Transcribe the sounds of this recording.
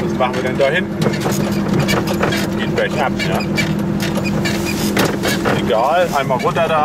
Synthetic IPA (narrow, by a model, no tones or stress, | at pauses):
vasmaχn̩viːɐdɛndaːhɪntn̩ | ɡ̥eːbɛçʔapjaː | ʔeɡaːlʔa̰ɪnmalʁʊntɐdaː